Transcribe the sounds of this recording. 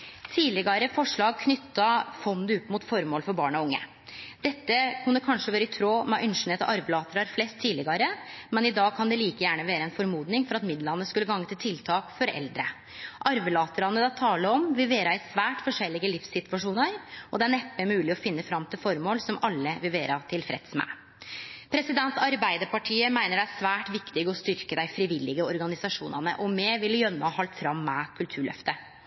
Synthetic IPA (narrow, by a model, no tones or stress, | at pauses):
t̪ʰiːdlɪɡɑɾəfɔʂɭɑːɡ̚kʰnʏt̪ːɑfɔnd̪əʉpːmʊt̪fɔɾmoːlfɔɾbɑːɳɔʊŋːə̰ | d̪̥ɛt̪ːəkʰʉnːəkʰɑnʂəʋøːɾəɪt̪ʰɾoːmɛʔʏnʂn̩ɛːt̪ɑ̰ʔɑɾʋlɑːt̪əɾɑɾflɛst̪ʰːiːlɪɡɑɾəmɛnɪd̪ɑːɡ̚kʰɑnd̪ɛliːkəjæːɳəʋeːɾəɛnfɔɾmuːd̪nɪŋfɔɾɑt̪mɪd̪lɑnːəskʉlːəɡɑŋːət̪ɪlt̪ʰɪlt̪ʰɑːkfɔɾɛ̰ld̪ɾə̰ | ʔɑɾʋəlɑːt̪əɾɑnːəd̪ɑt̪ʰɑːləɔmʋɪlʋeːɾɑɪsʋæːʈfɔʂɛlːɪɡəlɪfsɪt̪ʋɑʂuːnəɾʔɔd̪ɛæɳɛpːəmʉːlɪɔfɪnːəfɾɑmːt̪ʰɪlfɔɾmoːlsɔmʔɑlːəʋɪlʋeːɾɑt̪ʰɪlfɾɛ̰t̪smæ̰ | pʰɾɛsɪd̪ɛnt̪ɑɾbæɪd̪əɾpɑʈʰiːəmæɪnəɖɛæsʋæːʈʋɪkt̪ɪɡəɔst̪ʏɾkəd̪æɪfɾɪʋɪlːɪɡəɔɾɡɑnɪsɑʂṵːnɑnə̰ʔɔmɛːʋɪlːəjœmːəɑhɑlt̪fɾɑmːɛkʰʉlt̪ʰʉːɭœ̰ft̪ə